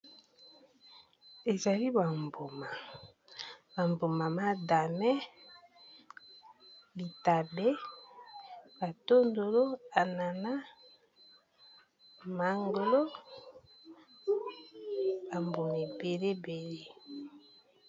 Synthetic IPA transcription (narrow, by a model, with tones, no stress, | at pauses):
e˨za˨li˦ba˨mbo˨ma˨ | ba˨mbo˨ma˨ma˦da˨nɛ˦ | li˨ta˨be˦ | ba˨to˦ndo˨lo˦a˨na˨na˦ | ma˨ŋɡo˨lo˦ | ba˨mbo˨me˨be˨le˦be˨le˦